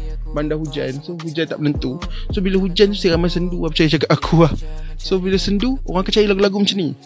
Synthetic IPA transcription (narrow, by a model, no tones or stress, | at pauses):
bandahud͡ʒa̰nsoɦud͡ʒant̪a̰ʔmənənt̪usobilahud͡ʒant̪usiɾamajsənduapət͡ʃajit͡ʃakat̪akʰuah | sobilasənduo̰ɣaŋakat͡ʃajilaɡulaɡumət͡ʃəni